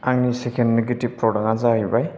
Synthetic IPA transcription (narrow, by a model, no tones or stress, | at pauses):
aŋnisekʰendneɡetib̚pɾɔɾaŋazaɦibaj